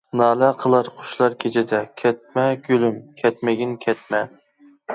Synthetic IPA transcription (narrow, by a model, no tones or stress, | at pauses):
nɑːlɛqʰəlˠɑɾχʰʊ̥ʃlˠɑɾkʲʰet͡ʃʰɪd̪ɛkʲʰɛt̪̚mɛɡ̥ʲølymkʲʰɛt̪mɪɡʲinkʲʰɛt̪mɛ